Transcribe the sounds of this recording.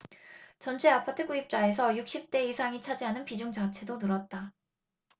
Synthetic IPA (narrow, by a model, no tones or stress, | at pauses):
t͡ɕʌnt͡ɕʰe̞apʰatʰɯk͈uip̚t͡ɕ͈ae̞s̬ʰʌjuk̚ɕ͈ip̚t͈e̞isʰaŋit͡ɕʰad͡ʑiɦanɯnpid͡ʑuŋd͡ʑat͡ɕʰe̞donɯɾʌt̚t͈a